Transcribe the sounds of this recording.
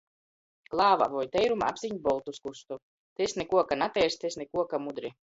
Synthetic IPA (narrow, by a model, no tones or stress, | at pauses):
klˠaːva̰vɔjt̪ɛjɾumaa̰bz̥ʲiɲbɔlˠt̪uskust̪u | t̪esnɛkuɔkanat̪ɛːɾst̪esnɛkuɔkamud̪ɾi